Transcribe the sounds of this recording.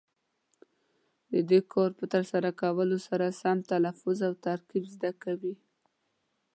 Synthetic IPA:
d̪əd̪ekʰɑɾpət̪əɾsaɾakawəlosaɾasamt̪alafʊzawt̪aɾkibzd̪akawi

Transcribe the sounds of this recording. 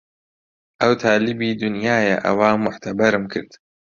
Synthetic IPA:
ʔɐwt̪ʰaːlɪbiːd̪ʊnjaːjɐ̰ʔɐ̰waːmʊħt̪ʰɐbɐɾɨmkʰɨ̰ɾd̪̥

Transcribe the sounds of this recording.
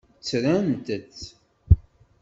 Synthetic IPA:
t͡sːɾæmt̪ət͡sː

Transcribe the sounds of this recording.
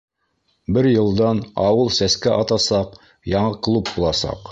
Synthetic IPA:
bɘɾjɤ̆lˠd̪ɑnɑwɤlˠsæskæʔɑt̪ɑsɑq | jɑɴɤklˠup̚bulˠɑsɑ̰q

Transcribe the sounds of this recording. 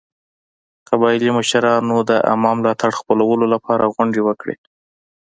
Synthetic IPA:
qabɑjliməʃaɾɑnod̪əʔa̰mɑmlɑt̪aɽxpəlawəlolapʰɑɾʔaɣwaɳɖewəkɽḛ

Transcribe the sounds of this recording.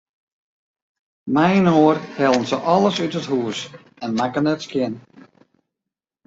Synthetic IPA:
mɛjnoːərhɛlˠənsəʔɔlˠəsytəthuəs | ɛnmakənɛtskjɪn

